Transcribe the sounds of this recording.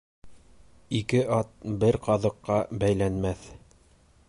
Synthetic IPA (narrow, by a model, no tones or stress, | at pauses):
ikɘʔɑt̪̚bɘɾqɑðɤ̆qːɑbæjlænmæθ